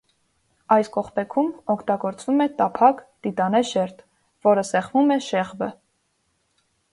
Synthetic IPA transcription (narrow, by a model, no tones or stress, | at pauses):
ɑjskɔχpɛkʰumɔkʰt̪ɑɡɔɾt͡svumɛt̪ɑpʰɑkt̪it̪ɑnɛʃɛɾt̪ | vɔɾəsɛχvumɛʃɛʁbə